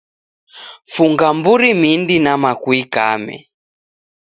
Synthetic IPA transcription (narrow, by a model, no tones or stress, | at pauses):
fuŋɡambuɾimindinamakwika̰mɛ̰